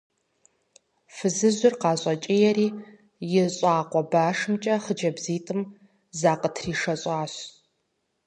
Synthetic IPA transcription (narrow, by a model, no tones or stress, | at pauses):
fɨzɨzʷʊrqɑːɕʼɐt͡ʃʼɪjɛriː | jɪɕʼɑːqʷɔbaːʂɨmt͡ʃʼɐχəd͡ʒɐbziːtʼɨm | zaːqətʰriːʂɐɕʼɑːɕ